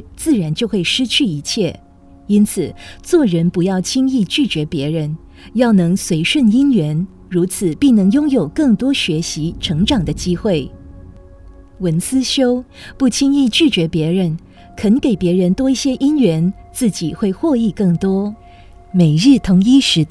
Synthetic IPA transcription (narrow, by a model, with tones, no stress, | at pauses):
t͡sɹ̩˥˩ɻa˧˥nt͡ɕjo˥˧ʊxwe˥˩ɪʂɻ̩˥t͡ɕʰy˥˩i˧˥t͡ɕʰjɛ˥˩ | i˥nt͡sʰɹ̩˨˩t͡swɔ˥˩ɻə˧˥npu˧˥jɑ˥˩ʊt͡ɕʰi˥ŋi˥˧t͡ɕy˥˩t͡ɕɥɛ˧˥pjɛ˧˥ɻə˧˥n | jɑ˥˩ʊnɤ˧˥ŋswe˧˥ɪʂwə˥˩ni˥nɥɛ˧˥n | ɻu˧˥t͡sʰɹ̩˨˩pi˥˩ŋnɤ˧˥ŋjʊ˥ŋjo˨˩ʊkɤ˥˩ŋt̪wɔ˥ɕɥɛ˧˥ɕi˧˥ʈ͡ʂʰɤ˧˥ŋʈ͡ʂɑ˨˩ŋd̪ə˦t͡ɕi˥xwe˥˩ɪ | wə˧˥nsɹ̩˥ɕjo˥ʊ | pu˥˩t͡ɕʰi˥ŋi˥˧t͡ɕy˥˩t͡ɕɥɛ˧˥pjɛ˧˥ɻə˧˥n | kʰə˧˥nke˨˩ɪpjɛ˧˥ɻə˧˥nt̪wɔ˥i˥˩ɕjɛ˥ʔi˥nɥɛ˧˥nt͡sɹ̩˥˩t͡ɕi˨˩xwe˥˧ɪxwɔ˥˧i˥˧kɤ˥˩ŋt̪wɔ˥ | me˨˩ɪɻɻ̩˥˩t̪ʰʊ˧˥ŋi˥ʂɻ̩˧˥